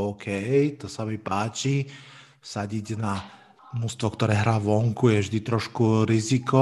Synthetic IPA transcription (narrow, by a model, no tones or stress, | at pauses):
ɔːkʰɛjt̪ɔsamipaːt͡ʃi | saɟiɟna | nust̪ʋɔkt̪ɔɾɛːɦɾaːʋɔŋkujɛvʒd̪it̪ɾɔʃkuɾizikɔ